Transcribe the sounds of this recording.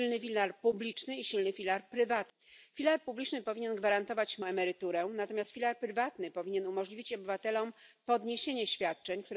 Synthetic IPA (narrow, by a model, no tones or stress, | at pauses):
lnɘfʲilaɾpublʲit͡ʂnɘiɕilnɘfʲilaɾpɾɘvat̪fʲilaɾpublʲit͡ʂnɘpɔvʲiɲɛnɡvaɾant̪ɔvat͡ɕmɛmɛɾɘt̪uɾɛnat̪ɔmʲjast̪fʲilaɾpɾɘvat̪nɘpɔvʲiɲɛnumɔʐlʲivʲit͡ɕɔbɘvat̪ɛlɔmpɔd̪ɲeɕeɲɛɕfʲjat̪̚t͡ʂɛɲkt̪uɾ